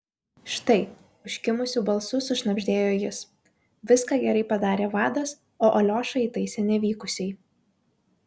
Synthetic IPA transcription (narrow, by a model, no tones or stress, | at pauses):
ʃt̪ɐɪ | ʊʃʲkʲɪmʊsʲuːbɐlˠsʊsʊʃnɐbʲʒʲd̪ʲeːjoːjɪs | ʋʲɪskɑːɡʲɛɾɐɪpɐd̪ɑːɾʲeːʋɑːd̪ɐs | oːʔolʲoːʃɐɪit̪ɐɪsʲɛnʲɛʋʲiːkʊsʲɛɪ